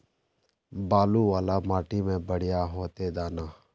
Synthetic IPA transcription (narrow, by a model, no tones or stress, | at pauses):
baːluʋaːlamaːʈimẽbəɽɪjaɦoːt̪ed̪aːnaː